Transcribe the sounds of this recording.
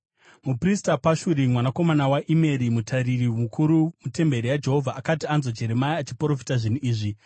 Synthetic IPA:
mupristapaʃuɾimwanako̞manawaʔime̞ɾimutʰaririmukʰuɾumute̞mbe̞ɾijad͡ʒe̞ɦo̞vʱaʔakatianzo̞d͡ʒe̞ɾe̞maiat͡ʃipro̞fi̥taʐinuʔiːʐi

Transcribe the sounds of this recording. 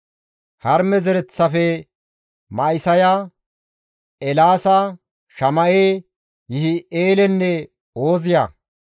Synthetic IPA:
hɐɾmɛzɛɾɛt͡sːɐfɛ | mɐɪsɐja | ɛlaːsɐ | ʃɐmɐʔeː | jɪhɪeːlɛnːɛ | oːzɪja̰ː

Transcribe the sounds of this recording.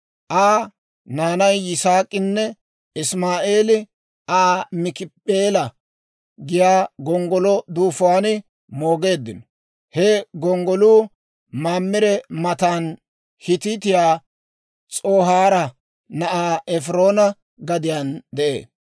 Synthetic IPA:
ʔaː | naːnɐjːɪsaːkʼːɪnːɛ | ɪsmaːʔe̞ːlɪ | aːmɪkɪpʼːeːlɐ | ɡɪjaːɡɔŋɡɔlɔd̪uːfʊwaːnɪ | mo̞ːɡe̞ːd̪ːɪnɔ | hɛɡɔŋɡɔluː | maːmːɪɾɛmɐt̪aːn | hɪt̪it̪̬ɪjaː | t͡sʼoːɦaːɾɐ | nɐʔaːɛfɾo̞ːnɐ | ɡɐd̪ɪjand̪ɛʔḛː

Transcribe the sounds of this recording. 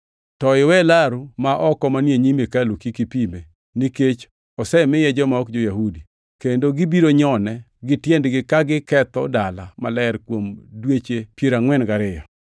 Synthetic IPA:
tɔɪwɛlaɾumaʔɔkɔmanjeɲimekalukikipime | niket͡ʃ | ɔsɛmɪjɛd͡ʒɔmaɔkd͡ʒojahudi | kendoɡibiɾoɲɔnɛ | ɡɪtjɛndɡɪkaɡɪkɛt̪ɔdalamalɛɾkwomdwet͡ʃepjeɾaŋwɛnɡaɾɪja

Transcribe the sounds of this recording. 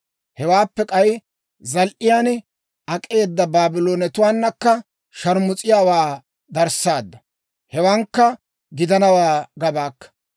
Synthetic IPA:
hɛwaːpːɛkʼɐj | zɐlʔɪjaːn | ɐkʼe̞ːd̪ːɐbaːbɪloːnɛt̪ʊwaːnːɐkːɐ | ʃɐɾmʊt͡sʼɪjaːwaː | d̪ɐɾsaːd̪ːɐ | hɛwɐŋkːɐ | ɡɪd̪ɐnɐwaːɡɐbaːkːɐ̥

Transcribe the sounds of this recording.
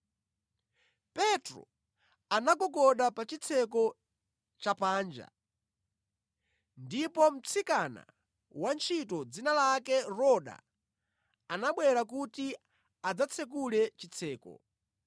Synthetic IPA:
pɛtɾɔ̰ | anaɡɔkɔɗapat͡ʃit͡sʰɛkɔ | t͡ʃapaːnd͡ʒa̰ | ndipɔm̩t͡sʰikana̰ | want͡ʃʰitɔd͡zinalakɛɾɔɗa̰ | anaɓwɛɾakuti | ad͡zat͡sʰɛk̬ulɛt͡ʃit͡sʰɛːkɔ̰

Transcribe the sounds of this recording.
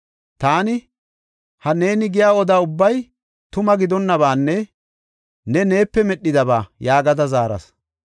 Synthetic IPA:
t̪aːnɪ | hɐne̞ːnɪɡɪjaːɔd̪aːʊbːɐj | t̪ʊmɐɡɪd̪ɔnːɐβaːnːɛ | nɛne̞ːpːɛmɛɗːɪd̪ɐβaːjaːɡɐd̪ɐzaːɾɐ̰s

